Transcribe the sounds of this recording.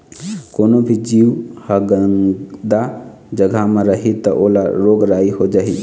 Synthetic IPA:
konobʱid͡ʒiwhəɡənd̪a | d͡ʒəɡʱameɾəɦit̪əʔolaɾoɡɾaiɦod͡ʒaɦi

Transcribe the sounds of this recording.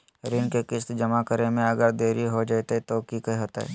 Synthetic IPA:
ɾɪnkekɪst̪d͡ʒɐmakəɾemẽɐɡəɾd̪eːɾiɦod͡ʒat̪et̪okikɐɦiɦoːt̪a̰ɦɛ̰ː

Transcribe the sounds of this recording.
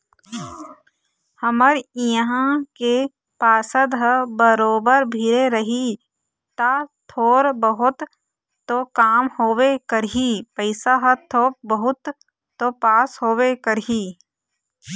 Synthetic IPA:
həməɾjəɦãke | paːsəd̪ɦəbəɾoːbəɾbʱiɾeɾəɦi | t̪at̪ʰoːɾbəɦʊt̪ː | okaːmhoːwekəɾɦipəɪsaɦət̪ʰoːp̚bəɦʊt̪ː | opaːsɦoːwekəɾɦi

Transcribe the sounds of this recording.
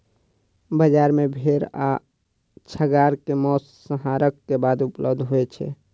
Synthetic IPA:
bəd͡ʒaɾmebʱeɾa̰ | t͡ʃʰəɡaɾkemɔssəɦaɾəkːebad̪upləbd̪ʱɦoɛt͡ʃʰɛ̰

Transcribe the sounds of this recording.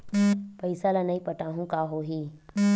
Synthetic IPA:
pəisalanaipəʈaɦũkaɦoːɦiː

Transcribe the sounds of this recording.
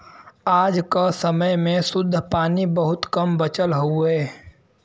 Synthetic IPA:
aːd͡ʒkasəməjmẽsʊd̪ʱːpaːnibəɦʊt̪kɐmbət͡ʃəlɦʊɛː

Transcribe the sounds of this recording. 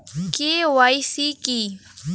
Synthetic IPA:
keːwajsiki

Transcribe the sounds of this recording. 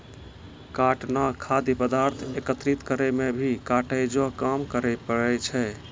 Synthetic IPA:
kaʈnakʰad̪ipəd̪aɾt̪ʰekət̪ɾit̪kəɾɛmebʱikaʈəjd͡ʒokamkəɾɛpəɽɛt͡ʃʰɛ

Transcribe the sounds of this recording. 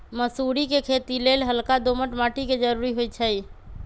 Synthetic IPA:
məsuɾikekʰet̪ilelɦəlkad̪oməʈmaːʈiked͡ʒəɾuːɾiɦojt͡ʃʰəj

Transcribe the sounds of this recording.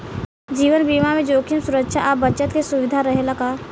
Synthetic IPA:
d͡ʒiːʋənbiːmamẽd͡ʒoːkimsʊɾəkʃaʔəbət͡ʃət̪kesʊʋɪd̪ʱaɾəɦelakaː

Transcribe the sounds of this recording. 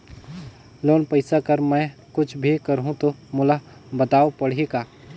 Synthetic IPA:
loːnpəɪsakəɾmɛ̃kʊt͡ʃʰbʱikəɾɦũt̪omʊla | bət̪aːopəɽ̤ekaː

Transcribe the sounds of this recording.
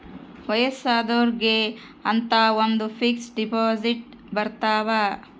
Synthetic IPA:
ʋɐjɐsaːd̪oːɾɡe | ɐnt̪aːond̪upʰiksɖipaːziʈ̚ | bɐɾt̪aːʋa

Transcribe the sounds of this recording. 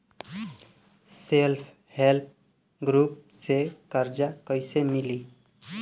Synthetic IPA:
selpʰ | help̚ʰ | ɡɾup̚sekʌɾd͡ʒakʌjsemili

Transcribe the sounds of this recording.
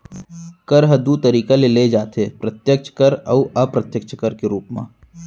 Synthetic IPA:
kɐɾɦɐd̪ut̪ɐɾiːkaleled͡ʒaːt̪eːpɾɐt̪jək̚t͡ʃʰkəɾɐ̰ʊɐpɾɐt̪jək̚t͡ʃʰkəɾkeɾuːpmã̰ː

